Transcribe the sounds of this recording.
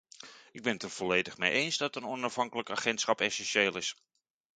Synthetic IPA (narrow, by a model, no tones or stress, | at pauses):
ɪɡ̚bɪnətərv̥ɔlejdəχmḛjʔejnzdɑtənɔnɑfɦɑŋkələkaːχɛntsχɑpɛsɛnʃeːlɪs